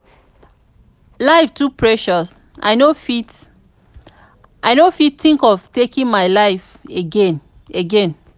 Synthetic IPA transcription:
laɪftupʰɹɛʃɔs | ʔa̰ɪnofit | ʔaɪnofittĩŋkɔvtekĩnmaɪlaɪf | eɡẽn | eɡɛ̃n

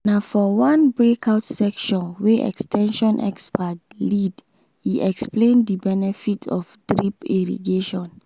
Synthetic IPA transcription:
nafɔwãnbɹekʰaʊtsɛkʃɔ̃nweʔɛ̰kstʰɛ̃nʃɔ̃nʔɛ̰kspatlid | hiʔɛksplẽnddibɛnɛfitʰɔ̰fd̥ɹipiɹḭɡeʃɔ̃n

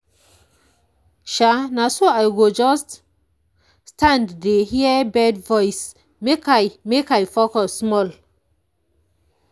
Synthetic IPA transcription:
ʃanasoajɡod͡ʒɔst | stʰãnddehiəbɛdvɔjs | mekajmekajfɔkɔsmɔl

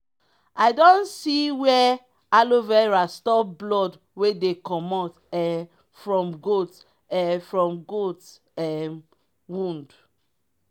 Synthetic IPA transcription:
aɪdõnsiwɛ | alovɛɹastɔblɔd | wedekɔmɔt | ɛ | fɹɔ̃mɡot | ɛfɹɔ̃mɡot | ɛ | wũnd

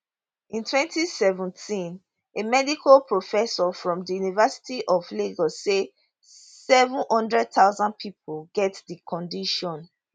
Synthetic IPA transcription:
ĩntʰwɛ̃ntisɛvə̃ntʰĩn | emɛdikʰalpʰɹofɛsɔfɹɔ̃mdijunivɛsi̥tiʔɔvleɡɔse | sɛvũnhɔ̃ndɹɛd̚taʊzãn̚pʰipʰolɡɛtdikʰɔ̃ndiʃɔ̃n

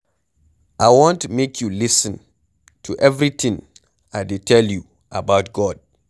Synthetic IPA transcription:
ʔaɪwõntmekʰjulisə̃n | tʰuʔɛvɾitʰĩŋ | aɪdetʰɛlju | ʔabaʊtɡ̥ɔd̥̚

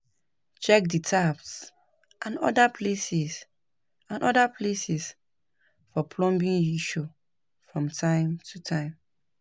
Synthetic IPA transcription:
t͡ʃɛk̚ditʰaps | ʔãnɔ̰dapʰlesis | ãnʔɔdapʰlesis | fɔpʰlɔ̃mbĩnjiʃo | fɹɔ̃mtʰãɪ̃mtʰutʰãɪ̃m

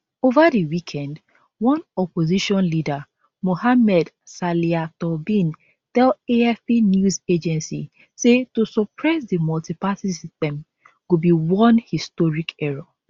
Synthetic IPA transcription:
ovadiwikʰɛ̃nd | wɔ̃nɔpoziʃɔ̃nlida | mohamɛd | saliatɔbĩn | tɛleɛfpinjuzed͡ʒɛ̃nsḭ | setusɔpʰɹɛsdimɔltipasisistɛ̃m | ɡ̥ubiwɔ̃nhistɔɹikɛɹɔ

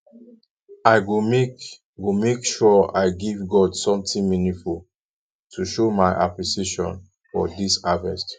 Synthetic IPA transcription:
aɪɡm | ɡumekʃɔa̰ɪɡivɡɔdsɔ̃mtĩŋminĩful | tʰuʃomaɪʔa̰pɹisiʃɔ̰̃n | fɔ̰disavɛst

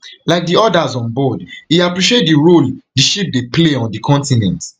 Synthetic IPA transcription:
laɪk̚diɔdazɔ̃nbɔdiapɹiʃet̚diɹoldiʃip̚depleɔ̃ndikʰɔ̃ntinɛ̰̃nt

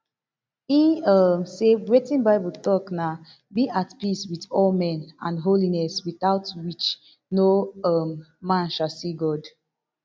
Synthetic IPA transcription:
inʌmseɹitĩnbaɪbutɔkna | biʔatpiswiθɔlmɛ̃nã̰nɦolinɛswiθaʊtwit͡ʃ | noʌmːãnʃasiɡɔd

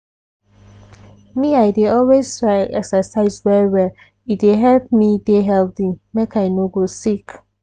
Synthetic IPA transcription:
miaɪdeɔlweztɹaɪɛksəsaɪzwɛwɛ | itdeɦɛlp̚mideɦɛldĩmekʰaɪnoɡosik

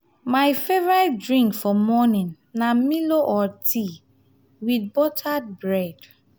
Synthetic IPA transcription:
majfɛvɹatdɹĩŋkfɔmɔnĩnːamiloʔɔtʰi | wid̚bɔtʰad̚bɹɛd̥

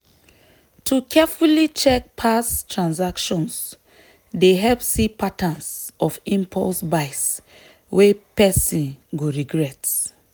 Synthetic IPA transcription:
tʰukʰɛfulit͡ʃɛk̚pʰastʰɹãnsakʃɔ̃ns | deɦɛlpsipatãnsɔfĩmpʰɔ̰lsbaɪs | wepɛsĩnɡoɹiɡɹɛt

